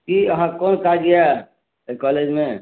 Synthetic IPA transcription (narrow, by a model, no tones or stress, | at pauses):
kiəɦãkɔːnkaɡəja | kɔːled͡ʒmẽ